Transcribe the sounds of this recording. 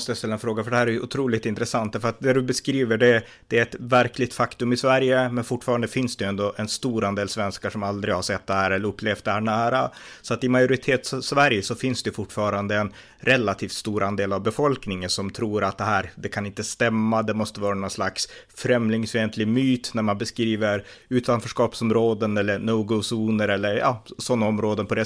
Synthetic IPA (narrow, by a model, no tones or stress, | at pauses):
ɔst̪əjast̪ɛlːaɛnfɾoːɡafœɖɛhæːɾæjɵʔʊ̰t̪ʰɾuːlɪɡt̪ɪnt̪ɾəsant̪̚æɾfœɾat̪̚næɖɵbɛskɾiːvəɖɛ | d̪̥ɛæɛt̪væɾklɪt̪fakt̪ɵmɪsvæɾjəmɛnfʊʈːfɑːɾand̪əfɪnsd̪ɛjɛnd̪ɔʔɛnst̪uːɾʔand̪eːlsvɛnskaʂɔmald̪ɾɪɡhaʂsɛt̪̚ːd̪ɛhæːɾɛlːəɾɵpːleːft̪̚d̪ɛhæːɳæːɾasɔat̪ɪmajʊɾɪt̪ʰeːt̪ssvæɾjəsɔfɪnsd̪ɛjʉfʊʈːfɑːɾand̪əɛn | ɾɛlat̪ʰiːft̪st̪uːɾʔand̪eːlavbɛfɔlknɪŋənsɔmt̪ʰɾuːɾat̪̚d̪ɛɦæːɾd̪ɛkʰanɪnt̪əst̪ɛmːad̪ɛmɔst̪əvɑːɾanɔslaks | fɾɛmlɪŋsvent̪ʰlɪɡmyːt̪næɾmanbɛskɾiːvəɾʉ̟ːt̪anfœʂkɑːpsɔmɾoːd̪ənɛlːəɳoːɡɔsuːnəɾɛlːəɾjɑ̰ːsɔnːaɔmɾoːd̪ənpʰɔd̪ɛ